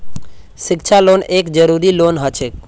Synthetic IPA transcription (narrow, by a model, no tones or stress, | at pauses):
ʃɪkt͡ʃʰalonekd͡ʒəɾuɾilonɦət͡ʃʰek